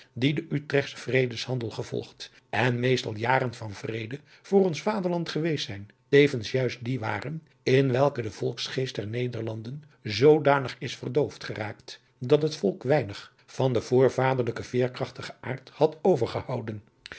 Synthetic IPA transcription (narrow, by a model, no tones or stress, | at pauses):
didəʔytrɛχsə̥v̥rejdəshɑndəlˠχəv̥ɔ̰lˠχt | ʔɛnmejstɑ̰lˠjaːɾənvɑnvrejdə | v̥ʊːrɔnsfaːdəɹlɑntχəʋejsɛjn | tejvənsjœɥst̚diʋa̰ːrən | ɪnʋɛlˠkədəv̥ɔlˠksχejst̚dɛɹnejdəɹlɑndən | zowdaːnəχɪsfərdowftχəraːkt | dɑtɦətfɔlˠkʋɛjnəχ | v̥ɑndəv̥ʊːɹvaːdəɹləkəv̥ɪːɹkrɑχtəχəʔa̰ːɹthɑtowvəɹχəhɑwdən